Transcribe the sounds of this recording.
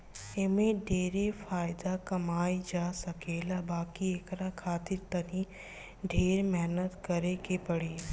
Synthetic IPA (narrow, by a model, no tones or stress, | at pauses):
ɪmẽɖeːɾefaːɪd̪akɐmaːid͡ʒaːsɐkeːlabaːkieːkɾakʰaːt̪ɪɾt̪ɐɾĩ | ɖʱeːɾmɛɦnət̪kɐɾekepɐɽeː